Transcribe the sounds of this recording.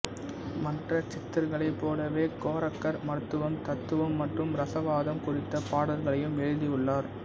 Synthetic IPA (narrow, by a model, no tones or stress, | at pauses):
mɐrɐt͡ʃɪt̪ːɪɾɣɐɭɐɪpːoːlɐʋeːkoːɾɐkːɐɾmɐɾɯt̪ːɯʋɐmt̪ɐt̪ːɯʋɐmːɐʈrɯmɾɐsɐʋaːðɐmkʊrɪt̪ːɐpaːɽɐɾɣɐɭɐjɯmɛɻɯðijɯɭːaːɾ